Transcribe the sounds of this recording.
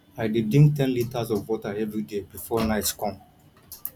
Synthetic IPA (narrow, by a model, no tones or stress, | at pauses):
aɪdidĩŋk̚tɛ̃nlitazɔvwɔtaɛvɹidebifɔnaɪtskɔ̃m